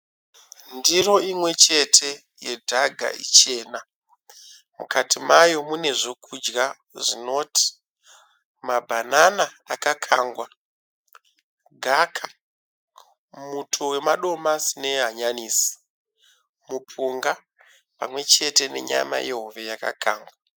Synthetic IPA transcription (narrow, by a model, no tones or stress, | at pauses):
ndiro̞imwe̞t͡ʃe̞tʰe̞ | je̞dʱaɡʱa̰ʔḭt͡ʃe̞ːna | mṵkʰatimajo̞mune̞ʐo̞kʰud͡ʒɡa | ʐino̞tʰi̥ | mabʱananaakakʰaːŋɡwa | ɡʱakʰa | mutʰowe̞maɗo̞masine̞ɦaɲaniːsi̥ | mupʰuŋɡa | pamwe̞t͡ʃe̞te̞ne̞̰ɲa̰ma̰jʔe̞ɦoʋejaka̰kʰaːŋɡwa